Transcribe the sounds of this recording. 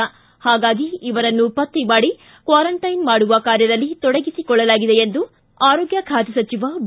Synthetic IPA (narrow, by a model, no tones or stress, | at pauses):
haːɡaːɡiiʋɐɾɐnːupɐt̪ːimaːɽi | kʋaːɾɐɳʈɐjnmaːɽuʋɐkaːɾjɐd̪ɐlːit̪ɔɽeɡisikɔɭːɐlaːɡid̪eend̪u | aːɾɔːɡjɐkʰaːt̪ɐsɐt͡ʃiʋɐb